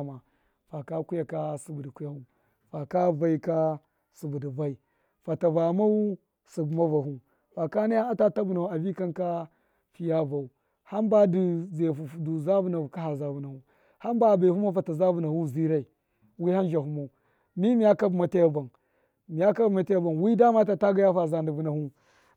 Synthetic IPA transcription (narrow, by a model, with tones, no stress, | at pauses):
ma˨ | fa˨ka˦ku˦ja˨ka˦su˨bu˨di˨ku˦ja˦hu˦ | fa˨ka˦va˨i˦ka˦ | su˨bu˨di˨va˦i˨ | fa˨ta˨va˨ma˦u˦ | su˨bu˨ma˦va˨ɦu˦ | fa˨ka˦na˦ja˦a˦ta˦ta˦bu˨na˨hu˦a˨vi˦ka˦nka˦ | fi˦ja˦va˨u˨ | ha˦mba˦di˨ze˨fu˨du˨za˦bu˦na˨ka˦a˨za˨bu˨na˨hu˦˨ | ha˦m˦ba˦˨ba˨hu˦ma˦fa˨ta˨za˦bu˨na˨hu˦˨zi˦ɾa˦˨i˨ | wi˦ha˦n˦d͡ʒa˨hu˦ma˨u˨ | mi˦mi˨ja˦ka˦bma˨ta˦a˨ba˨n | mi˨ja˦ka˦bma˨˦ta˦a˦ba˨nwi˦da˦ma˦ta˨ta˦ɡa˦ja˦fa˨za˨ndi˨vu˨na˨hu˦